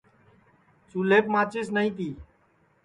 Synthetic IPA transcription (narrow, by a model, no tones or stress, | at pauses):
suːleːpmãːt͡ʃɪːsnəĩːt̪iː